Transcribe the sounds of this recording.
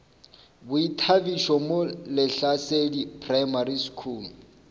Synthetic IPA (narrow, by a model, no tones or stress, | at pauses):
bʊitʰabiʃɔmolɪɬasedipʰrajmaɾiskʰuːl